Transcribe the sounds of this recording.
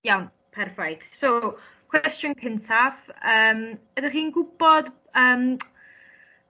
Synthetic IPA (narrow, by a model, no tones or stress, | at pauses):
jawn | pʰɛrvajd̥so | kʰw̥ɛstjənkʰəntʰavəːmbədəχiːnɡʊbɔd | əːm